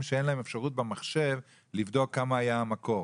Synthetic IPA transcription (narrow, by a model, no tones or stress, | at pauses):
mʃeenlahemefʃaʁut̚bemaχʃe̞v | livd̪o̞kːamaːjaamako̞